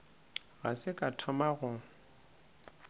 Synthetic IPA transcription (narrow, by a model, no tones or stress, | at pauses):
ɣasɪkʼatʰɔmaɣʊ